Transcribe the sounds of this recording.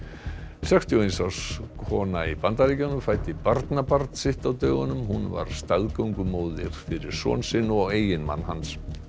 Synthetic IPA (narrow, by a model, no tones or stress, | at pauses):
sɛkst̪ʰiɔejnsawskʰɔːnaipant̪aɾicanʏmfaːjt̪ɪpaɾt̪napaɾt̪sɪht̪awt̪œːɣanʏmhunva̰ɾ̥st̪aðkawŋkʏmoːwðɪɾ̥fɪɾɪɾ̥sɔ̰ːnsɪnɔɣeːjɪnma̰nːhans